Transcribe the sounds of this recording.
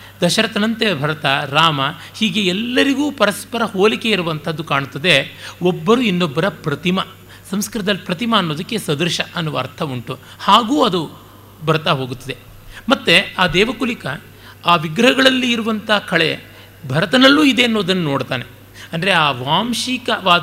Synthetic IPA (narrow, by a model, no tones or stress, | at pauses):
d̪ɐʃɐɾɐt̪ɐnɐnt̪ebʱɐɾɐt̪ɐɾaːmɐ | hiːɡe̞ɛlːɐɾiɡuːpɐɾɐspɐɾɐhoːlike̞iɾuʋɐnt̪ʰɐd̪ːukaːɳut̪ːɐd̪e̞obːɐɾuinːobːɐɾɐpɾɐt̪imɐ | sɐmskɐɾɐd̪ɐlːipɾɐt̪imɐːnːoːd̪ɐkːe̞sɐd̪ɐɾʃɐʔɐnːuʋɐːɾt̪ʰɐuɳʈu | haːɡuːɐd̪u | bɐɾt̪aːɦo̞ːɡut̪ːɐd̪e̞ | mɐt̪ːeaːd̪ɛːʋɐkulikɐ | aːʋiɡɾɐɦɐɡɐɭɐlːiːɾuʋɐnt̪ʰɐɐkʰɐɭe̞̰ | bʱɐɾɐt̪ɐnɐlːuːid̪e̞ɐnːoːd̪ɐnːɐno̞ːɽt̪aːne̞ | ɐnd̪ɐɾe̞aːʋaːmʃikɐʋaː